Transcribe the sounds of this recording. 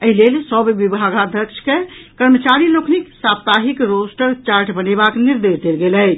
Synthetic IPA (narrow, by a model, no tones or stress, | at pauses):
əɦilelsəbʋibʱaɡad̪ʱəkt͡ʃʰkekəɾmət͡ʃaɾilokʰniksabt̪aɦikɾosʈəɾt͡ʃaɾʈbənebakniɾd̪esd̪elɡelɛj